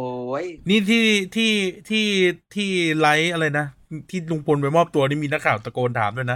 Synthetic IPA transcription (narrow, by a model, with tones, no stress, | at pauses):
o˧jniː˥˩t̪ʰiː˥˩t̪ʰiː˥˩t̪ʰiː˥˩t̪ʰiː˥˩la˦˥jʔa˧ɾa˧jna˦˥t̪ʰiː˥˩lu˧ŋpʰo˧npa˧jmɔː˥˩p̚t̪u˧ɐniː˥˩miː˧na˦˥kʰaː˨˩wt̪a˧koː˧nt̪ʰaː˩˦md̪u˥˩˨jna˦˥